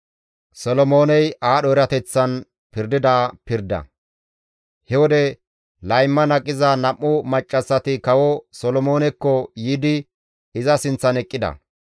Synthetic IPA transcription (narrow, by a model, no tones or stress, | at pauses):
sɔlɔmo̞ːnɛjaːɗɔɾɐt̪ɛt͡sːɐn | pɪɾd̪ɪd̪aːpɪɾd̪ɐ̰ | hɛwɔd̪ɛ | lɐjmːɐnɐkʼːɪzɐnɐmːʊmɐt͡ʃʼːɐsːɐt̪ɪkɐwɔsɔlɔmo̞ːnɛkːɔjiːd̪ɪ | ɪzɐsɪnt͡sːɐnɛkʼːɪd̪ɐ̰